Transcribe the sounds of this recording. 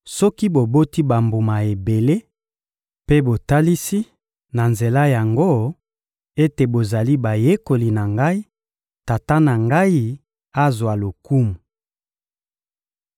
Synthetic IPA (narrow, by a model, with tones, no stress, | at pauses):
sɔ˦ki˦bo˨bo˦ti˦ba˨mbu˨ma˨e˨be˨le˦ | pe˦bo˨ta˦li˦si˦ | na˨nze˨la˦ja˨ŋɡo˦ | e˦te˨bo˨za˨li˦ba˨je˦ko˨li˨na˨ŋɡa˦i˦ | ta˨ta˦na˨ŋɡa˦i˦ | a˦zwa˨lo˨ku˦mu˨